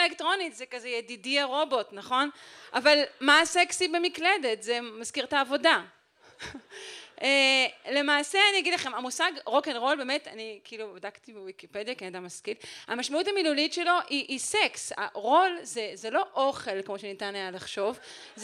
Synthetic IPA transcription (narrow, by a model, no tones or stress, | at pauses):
elektʁo̞nitzekazejedidiaʁo̞bo̞tnaχo̞nʔavalmaseksibe̞mikle̞de̞tzemazkiʁtaːvo̞da | ele̞maːseanijaɡidlaχe̞mamusaɡʁo̞kenʁo̞lbeːmeta̰nikiilubadakt̪ivewikipediaknnad̪amːaskilamaʃmautamilulitʃe̞lo̞ʔiʔːseksa̰ʁo̞lzezelo̞ʔoχe̞lkmo̞ʃenitanajalaχʃo̞v | z